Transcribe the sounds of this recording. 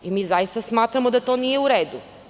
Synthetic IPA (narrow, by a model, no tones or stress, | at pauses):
imizaist̪asmat̪ɾamod̪at̪oniɛuɾɛd̪u